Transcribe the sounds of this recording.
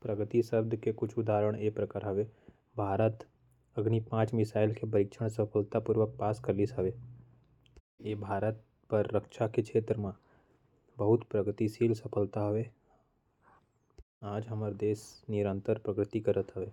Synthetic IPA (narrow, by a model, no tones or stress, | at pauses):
pɾəɡət̪isəbd̪ʱkekʊt͡ʃʰʊd̪aːɾəɽ̃eːpɾəkaːɾɦɐʋe | bʱaːɾət̪ | ɐɡnipãːt͡ʃmɪsaːɪlkebɐɾɪkʃʰəɽ̃sɐpʰəlt̪apuːɾʋək̚paːskɐɾlisɦɐʋe | eːbʱaːɾət̪̚ | pəɾːəkʃakekʰeːt̪ɾəmã | bəɦʊt̪pɾəɡt̪isiːlsɐpʰəlt̪aɦɐʋe | aːd͡ʒɦɐməɾd̪eːsnɪɾə̃nt̪əɾpɾəɡɾɪt̪ikɐɾət̪ɦɐʋeː